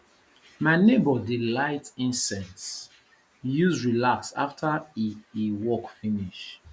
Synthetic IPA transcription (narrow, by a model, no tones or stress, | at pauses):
maɪnebɔdilaɪtĩnsɛ̃nts | juzɹilaksa̰ftʰaiiwɔkfĩniʃ